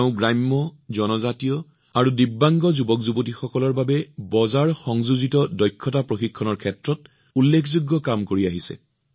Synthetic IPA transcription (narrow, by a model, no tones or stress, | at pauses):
ʊ̃ɡɹajmːɔzɔnɔzatijɔ | aɹudibːaŋɡɔzubɔkzubotixɔkɔlɔɹbabɛbɔzaɹxɔŋzuzitɔdɔjkʰːɔtapɹoxikʰːɔnɔɹkʰɛtɹɔt̚ | ulːekʰzuɡːɔkamkoɹiaɦisɛ̰